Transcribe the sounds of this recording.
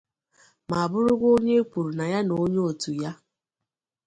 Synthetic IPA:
ma˨a˨bʊ˦ɾʊ˦ɡʷo˦ɲe˦kʷu˨ɾu˨na˨ja˦no˨˦ɲe˦o˨tu˨ja˦

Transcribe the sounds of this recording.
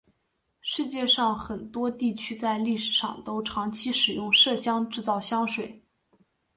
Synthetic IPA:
ʂɻ̩˥˧t͡ɕjɛ˥˧ʂɑ˥˩ŋxə˨˩nt̪wɔ˥t̪i˥˩t͡ɕʰy˥t͡sa˥˧ɪli˥˩ʂɻ̩˨˩ʂɑ̰˥˩ŋt̪o˥ʊʈ͡ʂʰɑ˧˥ŋt͡ɕʰi˥ʂɻ̩˨˩jʊ˥˧ŋʂɤ˥˩ɕjɑ˥ŋʈ͡ʂɻ̩˥˧t͡sɑ˥˩ʊɕjɑ˥ŋʂwe˨˩˦ɪ

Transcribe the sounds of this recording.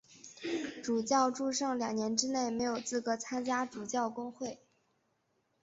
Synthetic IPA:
ʈ͡ʂu˨˩t͡ɕjɑ˥˧ʊʈ͡ʂu˥˧ʂɑ˥˩ŋljɑ˨˩ŋnjɛ˧˥nʈ͡ʂɻ̩˥ne˥˩ɪme˧˥ɪjo˨˩ʊt͡sɹ̩˥˩kɤ˧˥t͡sʰa˥nt͡ɕja˥ʈ͡ʂu˨˩t͡ɕjɑ˥˩ʊkʊ˥ŋxwe˥˩ɪ

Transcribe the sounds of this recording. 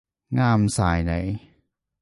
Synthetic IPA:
ŋaː˧msaː˩˦jna̰˨˩˦j

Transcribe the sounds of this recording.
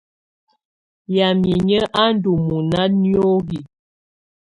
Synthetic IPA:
ja˨mi˨ɲə˦ʔa˦n˦du˨mu˨na˦ni˦oo˦ɣi˨

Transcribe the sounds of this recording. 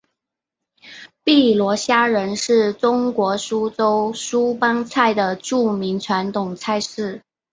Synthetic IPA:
pi˥˩lwɔ˧˥ɕja˥ɻə˧˥nʂɻ̩˥˩ʈ͡ʂʊ˥ŋkwɔ˧˥ʂu˥ʈ͡ʂo˥ʊʂu˥pa˥ŋt͡sʰa˥˩ɪd̪ə˩ʈ͡ʂu˥˩mi˧˥ŋʈ͡ʂʰwa˧˥nt̪ʊ˨˩ŋt͡sʰa˥˧ɪʂɻ̩˥˩

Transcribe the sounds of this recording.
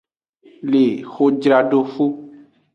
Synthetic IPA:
le˨xo˨d͡ʒɾa˨ɖo˦fu˦

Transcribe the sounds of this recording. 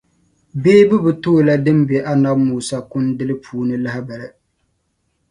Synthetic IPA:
beː˦bɨ˦bɨ˨to˦˨la˦dɨ˦mbe˨ʔa˦na˦bmuː˦˨sa˦kʊ˦ndɨ˦lɨ˦pʰuː˦nɨ˦la˦ha˦ba˨lɨ˨

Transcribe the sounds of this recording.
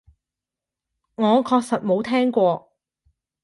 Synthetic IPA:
ŋɔː˨˧kʰɔː˧k̚sɐ˨t̚mo˨˧wt̪ʰɛː˥ŋkʷɔː˧

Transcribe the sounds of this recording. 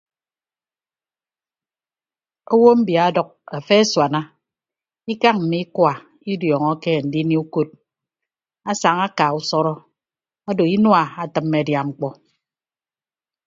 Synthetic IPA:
o˦wo˦m̩˦bja˨˦dɔ˨k̚a˨fe˦e˦swa˨na˦ | i˦ka˦ŋm̩˨mi˦kwa˨ | i˦djɔː˨ŋɔ˦ke˦˨n̩˨di˦ni˦u˦ko˦t̚ | a˦sa˨ŋa˦ka˨u˦sɔ˦ɾɔ˦ | a˦do˨i˦nwa˦˨a˨tɨ˨mːe˨a˨dja˨ŋ͡m̩˨k͡pɔ˦

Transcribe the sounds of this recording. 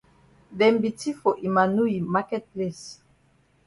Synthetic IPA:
dɛ˨mbi˨ti˦fɔ˨ʔi˨ma˨nu˦i˨ma˦kɛ˦t̚ple˦˨s

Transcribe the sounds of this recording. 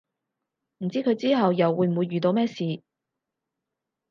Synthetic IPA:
m̩˨˩t͡siː˥kʰɵ˨˧ɥt͡siː˥ɦɐ˨wjɐ˨wːuː˨˧jm̩˨˩wuː˨˧jːyː˨t̪o˧wmɛː˥siː˨˧

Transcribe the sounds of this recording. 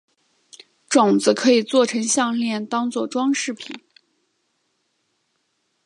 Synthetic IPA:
ʈ͡ʂʊ˨˩ŋd͡z̩˧˦kʰɤ˧˥i˨˩t͡swɔ˥˩ʈ͡ʂʰɤ˧˥ŋɕjɑ˥˧ŋljɛ˥˩nt̪ɑ˥ŋt͡swɔ˥˩ʈ͡ʂwɑ˥ŋʂɻ̩˥˩pʰi˨˩˦n

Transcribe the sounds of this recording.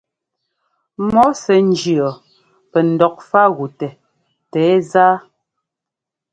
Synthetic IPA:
mɔ˨˦sɛ˨n̩˦d͡ʒi˨ɔ˨ | pɛ˨n̩˨dɔ˨k̚fa˦ɣu˨tɛ˨ | tɛː˨˦zaː˦

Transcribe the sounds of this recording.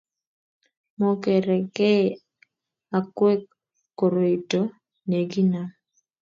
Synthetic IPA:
mo˦kɛ˨ɾɛ˨kɛ˦ | a˨kwɛ˦kː | o˨ɾo˨i˨to˦ | ne˨ɡi˦na˦

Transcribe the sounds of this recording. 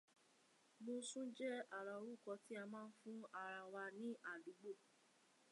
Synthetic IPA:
mo˧sũ˦d͡ʒɛ˦a˦˨ɾa˨wu˦˨kɔ˧ti˦a˧mãː˦˧n̩˦fũ˦a˨ɾa˨wa˧nĩ˦ʔa˦˨du˨˦ɡ͡bo˦˨

